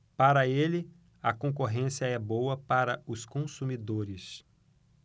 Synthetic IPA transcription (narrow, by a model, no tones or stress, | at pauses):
paɾɐelɪ | ɐkõk̬oɦẽsiɐɛbowɐpaɾɐʊskõsumid̪oɾɪs